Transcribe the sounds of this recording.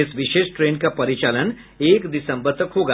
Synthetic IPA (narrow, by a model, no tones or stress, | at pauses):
ɪsʋɪʃeːʃʈɾeːnkapɐɾɪt͡ʃaːlən | eːkd̪ɪsə̃mbəɾt̪əkɦoːɡa